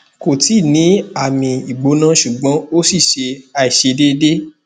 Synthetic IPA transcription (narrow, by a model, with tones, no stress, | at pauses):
ko˨ti˦˨nĩ˨˦a˦˨mĩ˧i˨ɡ͡bo˨˦nã˦ʃu˨ɡ͡bã˨˦o˦si˦˨ʃe˧a˧i˨ʃe˧de˦de˦